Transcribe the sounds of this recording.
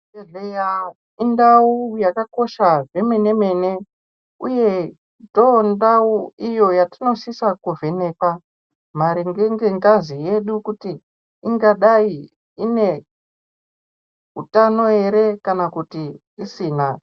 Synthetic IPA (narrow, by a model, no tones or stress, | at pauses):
eɮeja | indaujakako̞ʃaʐe̞mene̞me̞ne̞ | ṵje̞ | tondauijo̞jatino̞sisakuvʱe̞ne̞ːpa | maɾiŋɡeŋɡeŋɡazije̞ɗukutiː | ŋɡaɗai | ine̞ | utano̞e̞ɾe̞kanakutiː | siːna